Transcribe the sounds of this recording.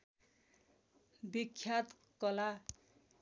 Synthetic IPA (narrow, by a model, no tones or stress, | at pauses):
bikʰːjat̪ | kʌla